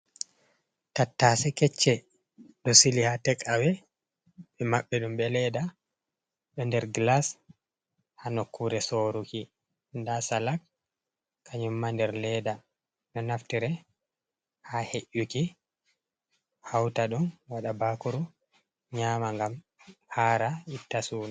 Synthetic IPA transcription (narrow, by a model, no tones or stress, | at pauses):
tatːasɛkɛt͡ʃːɛ | ɗɔsilihatɛkʼawɛ | ɓɛmaɓːɛɗumbɛlɛda | ɗɔndɛɾɡlas | hanokʰːuɾɛsoːɾuki | ndasalak | kʰːaɲumːandɛɾlɛda | nɔnaftiɾɛ | haheʔːuki | hawtaɗumwaɗabaːkuɾu | ɲaːmaŋɡam | haɾaitːasuːna